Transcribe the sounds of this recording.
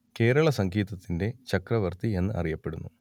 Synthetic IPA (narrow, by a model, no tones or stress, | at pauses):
ke̞ːɾɐɭɐsɐŋɡʱiːt̪ɐt̪ːinde̞t͡ɕɐkrɐʋɐrt̪ie̞nːɨʔɐ̰rijɐpːe̞ɽṵnːu